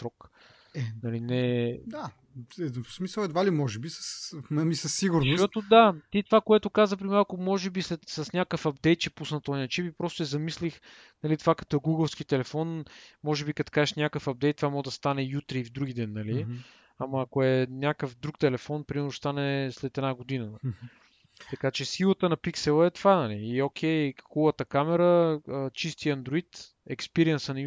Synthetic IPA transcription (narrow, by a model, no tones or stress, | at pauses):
sɾɔk | nɐlinɛd̪a | ɛsmisəlˠɛd̪valimɔʒɛbisə̥snɐmisɐsːiɡʊɾnʊʃot̪ʊd̪at̪it̪ovakoɛt̪ʊkazəp̬ɾimalˠkʊmɔʒɛbislɛt̪səsnʲakəfɐb̚d̪ɛjt̪̚t͡ʃɛpusnɐt̪ɔjnɐt͡ʃipipɾɔst̪ʊɛzɐmislix | nɐlit̪vakɐ̥t̪ɔɛɡuɡəlˠskit̪ɛlɛfɔnmɔʒɛbikɐt̪o̥kazɛʃnʲakəfap̚d̪ɛjt̪ːovamɔd̪ɐst̪anɛjut̪ɾiːvd̪ɾuɡid̪ɛnːɐli | amɐːkoɛnʲjakəfd̪ɾuk̚t̪ɛlɛfɔnpɾimɛɾnʊst̪anɛslɛt̪ɛd̪naɡod̪inə | t̪ɐkat͡ʃɛsilˠət̪ənɐpiksɛlˠəɛt̪vanɐliːok̟ʰɛjxɔlət̪əkamɛɾəət͡ʃist̪iɐnd̪ɾoit̪ | ɛkspiɾiɛnsənɐ